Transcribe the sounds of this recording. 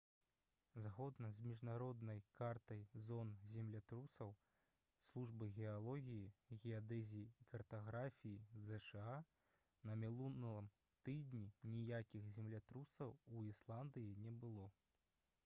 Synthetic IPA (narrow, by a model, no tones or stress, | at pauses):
zɣɔd̪nɐzmʲiʐnaɾɔd̪nɐjkart̪ɐjzɔnzʲɛmlʲat̪ɾusɐw | slˠuʐbɨɣʲɛalˠɔɣʲijiɣʲɛad̪ɛzʲijiːkɐrt̪aɣɾafʲijizɛʂɛa | nɐmʲilˠunlˠɐm | t̪ɨd̪ʲnʲinʲijakʲixzʲɛmlʲat̪ɾusɐwuislˠand̪ɨjinʲɛbɨlˠɔ